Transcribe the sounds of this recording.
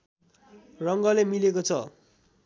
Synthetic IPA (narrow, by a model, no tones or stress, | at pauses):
rʌŋɡʌlemilekot͡sʰʌ